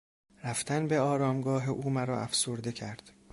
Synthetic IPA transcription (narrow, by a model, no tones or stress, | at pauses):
ɾæft̪ænbe̞ɒːɾɒːmɡɒːɦeʔuːmæɾɒːʔæ̰fsoɾd̪e̞cʰæɾd̪̥